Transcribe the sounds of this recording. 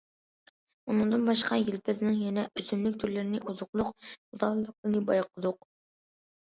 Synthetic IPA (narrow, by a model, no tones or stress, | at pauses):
unɨŋd̪ɨnbɑʃqʰɑjilpʰɪznɪŋjɛnɛyzynlɪk̚ʲt̪ʰyɾlɪɾɪnɪʔuzʊqlˠʊqd̪ɑlˠɨlˠəq̚lˠɨnɨbɑjqʰəd̪ʊq